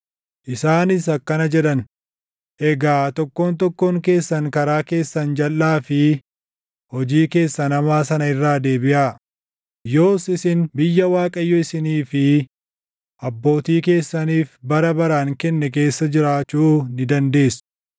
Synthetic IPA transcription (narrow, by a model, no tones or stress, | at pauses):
ʔɪsaːnɪs̬ɐkːɐnɐd͡ʒɛᶑɐn | ʔɛɡaːt̪ɔkːoːnt̪ɔkːoːŋke̞ːsːɐŋkɐɾaːke̞ːsːɐnd͡ʒɐlːaːfɪ | hɔd͡ʒiːke̞ːsːɐnɐmaːsɐnɐɪrːaːd̪e̞ːbɪʔaː | jo̞ːsɪsɪnbɪjːɐwaːkʼɐjːɔɪsɪniːfɪ | ʔɐbːo̞ːt̪iːke̞ːsːɐniːfbɐɾɐbɐɾaːŋkɛnːɛk̬e̞ːsːɐd͡ʒɪɾaːt͡ʃːuːnɪd̪ɐnd̪e̞ːsʊ̥